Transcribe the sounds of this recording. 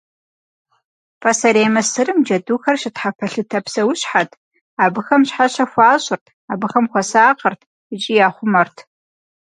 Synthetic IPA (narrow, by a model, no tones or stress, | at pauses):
pʰʼɐsɐɾeːmɐsɨrɨmd͡ʒɐduːxɐrʃɪtħapʰɐɬɨtʰɐpsɐwʊɕħatʰ | aːbɨxɐmɕħaɕɐxʷaːɕʼʊrtʰaːbɨxɐmxʷɔsaːqɐrtʰ | ɨt͡ʃʼijaːχʷʊmɐrtʰ